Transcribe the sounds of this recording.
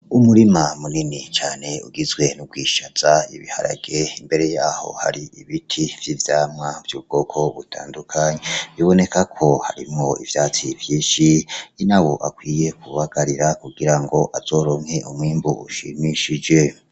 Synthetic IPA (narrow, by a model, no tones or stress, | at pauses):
umuɾimamuninit͡ʃaːne̞uɡizɡwe̞nuɡɡwiːʃaz̥ajḭβḭha̰ɾa̰ɡ̥e̞imbe̞ɾe̞jaːho̞̰ha̰ɾiiβitʰivjivjaːmŋavjuːb̚ɡ̥o̞ːkʰo̞βutʰa̰ːndukʰaɲeβiβo̞ne̞kakʰo̞ha̰ɾḭmŋo̞ḭvjaːt͡sivjiːʃiinawo̞ʔakwiːje̞kʰuβaɡ̥aɾiɾakuɡiɾaŋɡo̞ʔaz̥o̞ːɾo̞ːŋ̥he̞ʔumwiːmbuuʃimiʃid͡ʒe̞